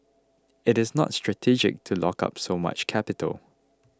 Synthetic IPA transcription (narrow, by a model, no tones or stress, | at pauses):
ɪtɪsnɔ̰tstɹ̥atʰid͡ʒɪ̰k̚tʰulɔ̰ka̰psoma̰t͡ʃkʰɛpɪtʰə̰l